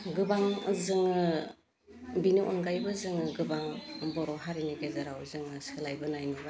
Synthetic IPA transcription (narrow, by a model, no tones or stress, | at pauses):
ɡɯbaŋzɯŋɯ | biniʔo̰nɡajbɯzɯŋɯɡɯbaŋbɔɾɔɦaɾiniɡezaɾawzɯŋɯsɯlajbɯnajniba